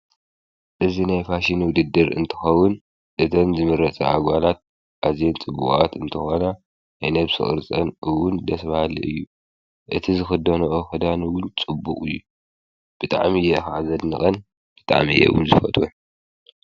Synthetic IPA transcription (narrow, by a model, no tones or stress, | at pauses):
ʔɨzinajfaʃinwʊd̪ɨd̪ːɨɾɨ̰nt̪ʰɨ̥xɐwʊn | ʔɨt̪ʰɐmzɨmɨɾɐt͡sʼɐaɡʷalat̪̚ | ʔazent͡sʼɨbːukʼat̪ɨnt̪ʰɨxona | najnɐβsɨ̰xʼɨ̰ɾt͡sʼɐnʔɨwʊnd̪ɐsβahalḭʔɨjːu | ʔɨt̪ʰizɨxɨd̪ːɐnɐʔoxɨd̪anɨwʊnt͡sʼɨbukʼɨjːu | b̥ɨt̪ʼa̰ʕmijɛxaʕazɐd̪nɨxʼɐn | b̥ɨt̪ʼa̰ʕmḭjɛ̰ɨ̰wʊ̰nzɨfɐt̪ʼwun